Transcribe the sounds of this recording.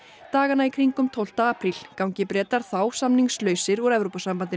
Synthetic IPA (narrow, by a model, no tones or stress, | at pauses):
t̪aːɣanaikʰɾiŋkʏmt̪ʰowl̥t̪aːpʰɾilkawɲcɪpɾɛːt̪aɾ̥θawsamniŋslœːɥsɪɾɔɾɛvɾowpasampant̪̬ɪ